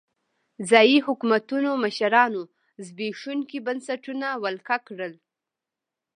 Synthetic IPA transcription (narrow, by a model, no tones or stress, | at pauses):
zɑjihʊkumat̪unomaʃaɾɑno | zbeʂunkibansaʈunawalkakɽəl